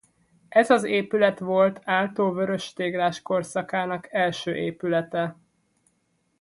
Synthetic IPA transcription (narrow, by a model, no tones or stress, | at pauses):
ʔɛzɒzeːpylɛt̪ʋo̞lt̪ʰaːlt̪oːvøɾøʃt̪eːɡlaːʃko̞rsɒkaːnɒkɛlʃøːʔeːpylɛt̪ɛ